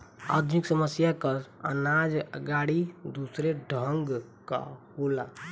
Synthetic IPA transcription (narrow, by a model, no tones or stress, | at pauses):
a̰ːd̪ʱnɪksəməsjakəə̰naːd͡ʒəɡaːɽid̪uːsɾeɖʱəŋɡ | ka̰hoːla